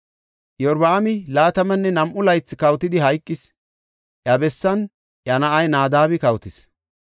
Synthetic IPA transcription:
jɔɾbaːmɪlaːt̪ɐmɐnːɛnɐmʔʊlɐjt͡sːɪkɐwt̪ɪd̪ɪɦɐjkʼːɪs | ʔjɐbɛsːɐn | ʔɐnɐʔɐjnaːd̪aːβɪkɐwt̪ɪs

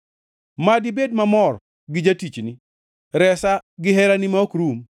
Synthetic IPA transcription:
madɪbedmamɔr | ɡɪd͡ʒatit͡ʃnɪ | ɾɛsaɡɪɦɛɾanɪmaokɾum

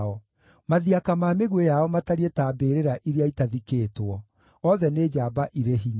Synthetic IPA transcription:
ɔ | maðiakamaːmeɣwejaɔmataɾietaːbeɾeɾaʔiɾeaitaðikeːtwɔ | ɔðɛned͡ʑaːbaʔiɾeɦiɲ

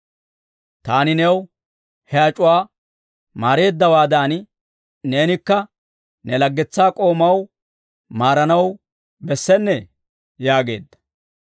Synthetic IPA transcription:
t̪aːnɪnɛw | hɛɐt͡ʃʼʊwaː | maːɾe̞ːd̪ːɐwaːd̪ɐːn | ne̞ːnɪkːɐ | nɛlɐɡːɛt͡sːaːkʼo̞ːmɐw | maːɾɐnɐw | bɛsːɛnːɛ | jaːɡe̞̰ːd̪ːɐ̥

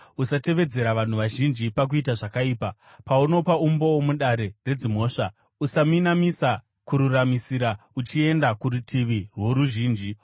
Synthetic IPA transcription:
usate̞ʋe̞d͡ze̞ɾaʋan̤uʋaʒind͡ʒipak̬uitaʐakaiːpa | pauno̞paumboomuɗaɾe̞re̞d͡zimo̞ːʂa | usaminamisa | kuɾuramisiɾaut͡ʃie̞ndakuɾutʰiʋirwo̞ɾuʒiːnd͡ʒi

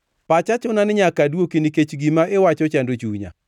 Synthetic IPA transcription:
pat͡ʃat͡ʃʊnanɪɲakadwokiniket͡ʃɡimaʔɪwat͡ʃɔt͡ʃandot͡ʃuɲa̰

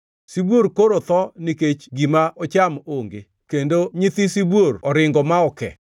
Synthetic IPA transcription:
sibwoɾkoɾot̪ɔniket͡ʃɡimaʔɔt͡ʃamoŋɡe | kendoɲɪt̪isibworɔɾɪŋɡɔmaɔkɛ̰

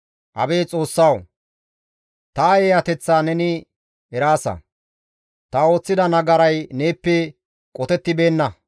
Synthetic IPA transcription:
ʔɐ̰be̞ːt͡sʼo̞ːsːɐw | t̪ɐjeːjɐt̪ɛt͡sːaːnɛnɪ | ɛɾaːsɐ̰ | t̪ɐo̞ːt͡sːɪd̪ɐnɐɡɐɾɐjne̞ːpːɛ | kʼɔt̪ɛt̪ːɪbe̞ːnːɐ

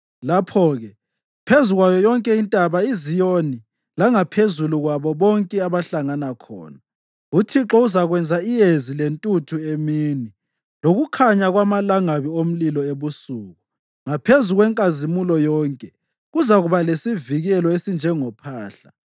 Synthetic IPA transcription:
lapʰɔːɣɛ | pʰezuɣwajɔjɔŋkʼɛintʼaβaizijoni | laŋapʰezuluɣwaβɔβɔŋkʼɛaβaɬaŋanakʰɔ̰ːna | utʰiǁɔuzaɣwɛnd͡zʱaijezilentʼutʰuemiːni | loɣukʰaɲaɣwamalaŋaβiom̩lilɔeβusuːɣu | ŋapʰezuɣwɛŋkʼazimulɔjɔːŋkʼɛ | ɣuzaɣuβalesiviɣɛlɔesind͡ʒʱɛŋɔpʰaːɬa

